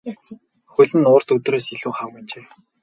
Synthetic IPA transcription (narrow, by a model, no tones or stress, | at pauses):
xɵɮɘ̆nʊːr̥t̪ɵt̪roːsiɮuːχawĭnt͡ɕeː